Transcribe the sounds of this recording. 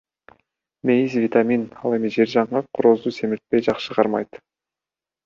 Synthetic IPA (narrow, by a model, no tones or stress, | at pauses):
mejizvʲit̪aminɑ̰lˠe̞md̪eʒe̞ɾʒɑɴʁɑqʰʊɾozuse̞mɪɾt̪̚pejʒɑqʃəʁɑɾmɑ̰jt̪